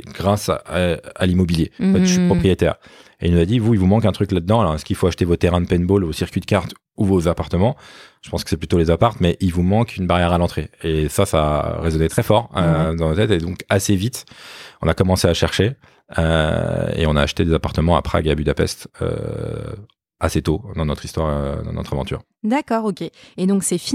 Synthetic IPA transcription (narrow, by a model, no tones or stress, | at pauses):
ɡʁasa̰a̰limɔbiljẽfɛʃypχɔpχijet̪ɛ̰ʁ | eilnuzad̪ivuilvumɑ̃kɛ̃t̪χyklad̪̚d̪ɑ̃alɔʁɛskilfoaʃt̪evot̪eʁɛ̃d̪əpɛnbolvosiʁkʲɥid̪əkaʁt̪ | uvozapaʁt̪əmɑ̃ʒə̥pɑ̃skə̥sɛplyt̪olezapaʁt̪mɛʔilvumɑ̃kʰynbaʁjɛʁalɑ̃t̪χeesasaʁezɔnet̪χɛfɔʁød̪ɑ̃not̪ɛt̪ed̪ɔ̃kasevit̪ɔ̃nakɔmɑ̃seaʃɛʁʃe | ø̰ḛɔ̃na̰ːʃt̪ed̪ezapaʁt̪əmɑ̃a̰pχa̰ɡeabyd̪apɛ̰st̪ø̰ | aset̪od̪ɑ̃nɔt̪χist̪waʁød̪ɑ̰̃nɔ̰t̪χavɑ̃t̪y̰ʁ | d̪akɔːʁokʲeed̪ɔ̃ksɛf